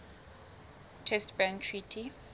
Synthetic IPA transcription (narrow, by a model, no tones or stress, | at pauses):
tʰɛstbɛ̃ntʰɹitʰi